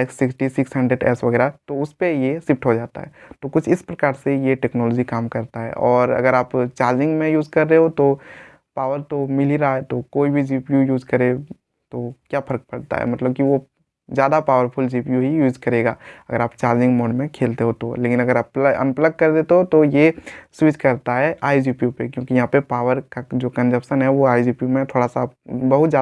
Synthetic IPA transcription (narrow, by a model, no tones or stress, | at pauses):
ɛːksːɪksʈisɪksɛ̃ɳɖeʈɛ̰ːsʋɐɡɛːɾat̪oʊspejesɪfʈɦod͡ʒaːt̪a̰ɦɛ̰t̪okʊt͡ʃʰɪspɾɐkaːɾsejeʈɛːknɔːlɔːd͡ʒikaːmkɐɾt̪aɦɛ̰ʔɔːɾɐ̰ɡəɾaːpt͡ʃaːɾd͡ʒɪ̃ŋɡmẽjuːd͡ʒkɐɾːeɦot̪o | paːʋəɾt̪omɪliɾaaɛt̪okoːibʱid͡ʒiːpjujuːd͡ʒkɐɾe | t̪okjaːpʰɐɾk̚pɐɽt̪a̰ɦɛ̰mɐt̪ləb̚kiʋo | zjaːd̪apaːʋəɾpʰʊld͡ʒiːpjuɦijuːzkɐɾeːɡa̰ːɐ̰ɡəɾaːpt͡ʃaːɾd͡ʒɪ̃ŋɡmoːɖmẽkʰeːlt̪eɦot̪oleːkɪnɐɡəɾaplɐ̰̃npləɡ̚kɐɾd̪eːt̪eɦot̪ojeswɪt͡ʃkɐɾt̪aɦɛʔaːjid͡ʒiːpjupekjõːkijɐɦãːpepaːʋəɾkad͡ʒoːkɐ̃nd͡ʒəpʃənɦɛʋoaːid͡ʒiːpjumẽt̪ʰoːɽasabɐɦʊt̪zjaː